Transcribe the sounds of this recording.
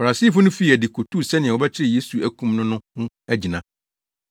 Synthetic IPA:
fa˨ɾa˨si˦˨fʊ˦nʊ̃˦fi˦i˨æ˨di˨kʰo˨tʰu˦˨sɛ˦nɪ̃˨ɛ̃˨wɔ˨bɛ˦t͡ɕʰɪ˦ɾɪ˦˨je˦su˨æ˨kũ˦mnʊ̃˦nʊ̃˦hʊ̃˦ | æ˦d͡ʑi˨nã˨

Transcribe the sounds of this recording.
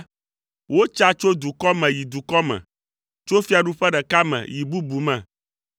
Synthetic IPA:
wo˦t͡ʃa˦t͡ʃo˦d̪u˨kɔ˦mɛ̃˨ji˨d̪u˨kɔ˦mɛ̰̃˨ | t͡ʃo˦fi˦a˨ɖu˦ɸɛ˦ɖɛ˨ka˦mɛ̰̃˨ji˨bu˦bu˨mɛ̃˨

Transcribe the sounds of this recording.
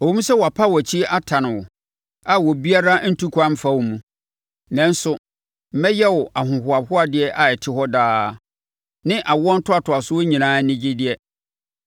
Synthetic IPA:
o˨ũ˦m̩ũ˦sɛ˦wɔ˨a˨pʰa˦wɔ˨t͡ɕʰi˦a˦tʰã˨nɪ̃˨wʊ˨ | a˨wɔ˨bi˦a˦ɾa˦n̩˦tʰu˦kʰʷã˦m˦fa˦wmũ˨ | nã˨n˦sʊ˦ | m̩˦mɛ̃˦jɛ˦wʊ˨ʔa˨ɦʊ̃˨ɦʊ˨a˨bhʊ˦a˨dɪ˦ɛ˦ʔa˨ɛ˨tʰɪ˦ɦɔ˦daː˦ | nɪ̃˦ʔa˨wɔ̃˦n̩˦tʰʊ˦a˨tʊ˨a˨sʊ˦wo˦ɲĩ˨nãː˦nɪ̃˦d͡ʑɪ˦dɪ˨ɛ˦

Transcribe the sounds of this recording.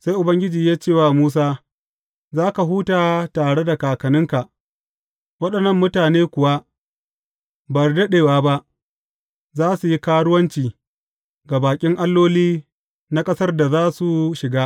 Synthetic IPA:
sa˦jʔʊ˨bɐ˦ŋɡʲɪ˦d͡ʒiː˨jaː˦t͡ʃeː˦˨waː˦˨muː˦s̬aː˦ | zaː˦ka˨ɦuː˦taː˨taː˨ɽe˦da˨kaː˨kɐ˨nɪ˦ŋka˨ʔ | wɐ˦ɗɐ˨nːɐ˦mːʊ˦taː˨neː˦kʷʊ˨wa˦ | bɐ˨rdɐ˦ɗeː˨waː˦ba˦ʔ | zaː˦su˨ji˦kaː˦wɽʊ˦wɐ˦nt͡ʃiː˨ | ɡa˨baː˨kʲʼɪ˦ŋʔa˦lːoː˦liː˦ | na˦kʼɐ˦sɐ˦rda˨zaː˦su˨ʃɪ˨ɡaː˦

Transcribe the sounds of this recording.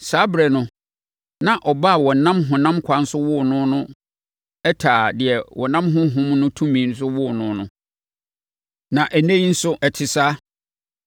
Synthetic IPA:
saː˨˦bɾɛ˨nʊ̃˨ | nã˨ʔɔ˨ba˦˨wɔ˨n̩˨nã˦mɦʊ̃˨nã˦mkʷʰa˦n̩˦sʊ˦wʊ˦˨nʊ̃˦nʊ̃˦ | ɛ˦tʰaː˨dɪ˨ɛ˨wɔ˨nã˦mɦʊ̃˦ɦʊ̃˦mnʊ̃˦tʰũ˦mĩː˨n̩˦s̬ʊ˦wʊ˦˨nʊ̃˦nʊ̃˦ | nã˨ʔæ˨nẽ˦i˦n̩˦sʊ˦ʔɛ˨tʰɪ˨saː˦

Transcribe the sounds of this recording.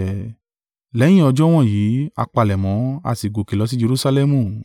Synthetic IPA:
lɛ˨˦j̃ĩ˦ɔ˧d͡ʒɔ˦w̃ɔ̃˦˨jiː˨˦a̰˧k͡pa˧˨lɛ˨mɔ̃˨˦a̰˧˨si˨ɡo˨ki˨lɔ˨˦s̬i˦d͡ʒe˧ɾu˦sa˧lɛ˦mũ˧˨

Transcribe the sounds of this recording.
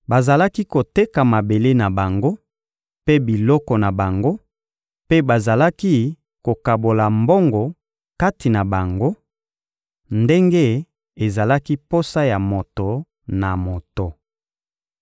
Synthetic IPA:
ba˨za˨la˦ki˦ko˨te˦ka˨ma˨be˨le˦na˨ba˨ŋɡo˦ | pe˦bi˨lɔ˦kɔ˨na˨ba˨ŋɡo˦ | pe˦ba˨za˨la˦ki˦ | ko˨ka˨bo˨la˨mbɔ˦ŋɡɔ˨ | ka˦ti˨na˨ba˨ŋɡo˦ | nde˦ŋɡe˦ | e˨za˨la˦ki˦po˦sa˦ja˨mo˨to˨ | na˨mo˨to˨

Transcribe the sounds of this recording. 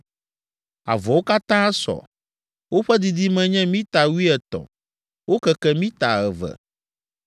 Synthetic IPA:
a̰˨vɔ˨wo˦ka˦t̪ã˦sɔ̰˨ | wo˦ɸɛ˦d̪i˨d̪i˦mɛ̃˦ɲɛ̃˦mĩ˦t̪a˨wu˦i˦ɛ˨t̪ɔ̰˨ | wo˦kɛ˦kɛ˦mĩ˦t̪a˨ɣɛ˨vɛ̰˨

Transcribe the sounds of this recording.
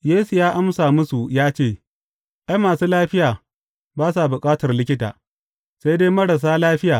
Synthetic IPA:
jeː˦su˨jaː˦ʔa˦msaː˨mʊ˦su˨jaː˦t͡ʃeː˦˨ | ʔa˦jmaː˨suː˦laː˦ɸɪ˦jaː˨ | baː˦s̬a˨bʊ˨kʼaː˦tɐ˨rlɪ˦kʲɪ˦ta̰ː˨ | sa˦jdeː˦mɐ˦ɽa˨s̬aː˦laː˦ɸɪ˦jaː˨

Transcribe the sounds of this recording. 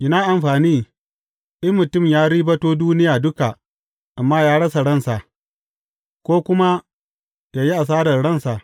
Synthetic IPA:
ʔɪ˦naː˦ʔa˨mɸaː˨niː˦ | ʔɪ˦mmʊ˨tʊ˦˨mjaː˦ɽiː˦bɐ˦toː˦duː˦nɪ˦jaː˨dʊ˦ka˨ | ʔa˨mːaː˦jaː˦ɽɐ˦sa˨ɽɐ˦nsa˨ | kʷoː˦kʷʊ˦ma˦ | jaː˨ji˦ʔa˨s̬aː˦dɐ˨rɽɐ˦nsa˨

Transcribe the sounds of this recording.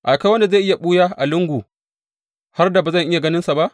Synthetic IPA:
ʔa˨ka˦wɐ˦nda˨za˦˨ʔɪ˦ja˨ɓuː˦jaː˦ʔa̰˨lɪ˦ŋɡʷuː˨ | ha˦rda˨ba˨zɐ˦˨ŋʔɪ˦ja˨ɡɐ˦nɪ˦nsa˨ba˦ʔ

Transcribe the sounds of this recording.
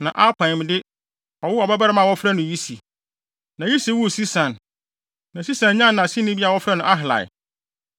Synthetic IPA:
nã˨ʔa˦pʰã˨ɪ̃˨m˨dɪ˦ | ɔ˨wʊ˦ɔ˨bɛ˦ba˦ɾa˦mã˦˨wɔ˦fɾa˦nʊ̃˨ji˦si˨ | nã˨ji˦si˨wu˦˨si˦sã˨n | nã˨si˦sã˨nɲã˦nː˨ã˨sɪ˦nɪ̃˦bi˦a˨wɔ˦fɾa˦nʊ̃˨ʔa˦ɦɪ˨la̰˨ɪ̰˨

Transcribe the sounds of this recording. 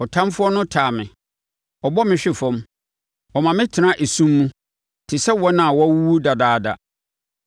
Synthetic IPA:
ɔ˨tʰã˦mfʊ˦ɔ˦nʊ̃˦tʰaː˨mɪ̰̃˨ | ɔ˨bɔ˦mɪ̃˨˦ɕᶣɪ˦˨fɔ̃˦m | ɔ˨mã˨mɪ̃˦tʰɪ˨nã˦ʔe˨sũ˦mːũ˦ | tʰɪ˨sɛ˦wɔ˦nã˨wɔ˦a˦wu˦wu˦da˨daː˦˨da̰˨

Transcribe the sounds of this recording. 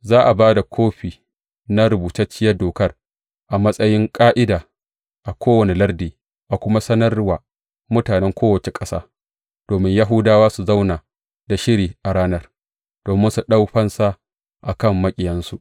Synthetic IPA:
zaː˦ʔa˨baː˦da˨kʷʰoː˦ɸiː˨ | na˦ɾʊ˨buː˨tɐ˦t͡ʃːɪ˦jɐ˦rdoː˨kɐ˦r | ʔa˨mɐ˦sʼɐ˦jɪ˦ŋkʼaː˦ʔɪ˦daː˨ | ʔa˨kʷoː˦wɐ˨ni˨lɐ˦rdiː˨ | ʔa˨kʷʊ˦ma˦sɐ˦nɐ˦rwaː˨ | mʊ˦taː˨nɛ˦ŋkʷoː˦wɐ˨t͡ʃe˨kʼɐ˦sa̰ː˦ | d̥oː˨mɪ˦ɲja˦ɦʊ˦daː˦waː˦su˨za˦wnaː˨ | da˨ʃɪ˦ɾiː˨ʔa˨ɽaː˦nɐ˦r | d̥oː˨mɪ˦nsu˨ɗa˦wɸɐ˦nsa˦ | ʔa˨kɐ˦˨mːɐ˦kʲʼɪ˨jɐ˦nsu˨ʔ

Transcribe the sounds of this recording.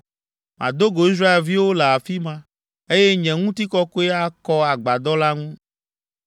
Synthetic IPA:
mʔã̰˨d̪o˦ɡo˨i˦s̬ɾa˦e˨lvi˦wo˦lɛ˨a˨fi˦mã˦ | e˦jɛ˦ɲɛ̃˨ŋũ˦t̪i˦kɔ˦ko˦e˦a˦kɔ˦a˨ɡ͡ba˨d̪ɔ˦la˦ŋũ˦

